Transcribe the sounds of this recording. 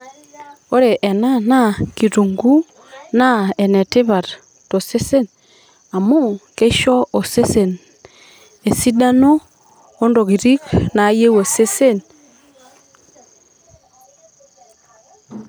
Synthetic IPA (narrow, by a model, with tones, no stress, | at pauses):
o˦ɾe˨ʔɛ˨na˦na˦ki˨ɾu˨ŋɡu˦ | na˦ɛ˨nɛ˨te˦βa˨ɾ | to˨se˦se˦˨n | a˨mo˦ke˦ʃɔ˦o˨se˦se˨n | e˨si˦da˦noː˦ | ndo˨ɣi˨ɾi˦kna˨˦je˦we˨se˦se˦n